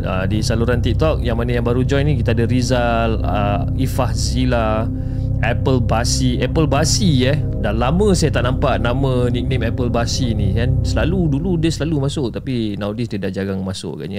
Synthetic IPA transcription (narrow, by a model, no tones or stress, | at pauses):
ə̰disaluɾant̪ik̚t̪ɔk̚jaŋmanajaŋbaɾud͡ʒɔjnĩkit̪adəɾizal | ə | ifahzila | ɛpəlbasiɛpəlbasijə | dalamə̃sajat̪aʔnampaʔnamə̃nik̚nẽmɛpəlbasinĩkansəlaluduludəsəlalumasʊʔt̪apinawdisdədahd͡ʒaɡaŋmasʊ̰ʔka̰ɲa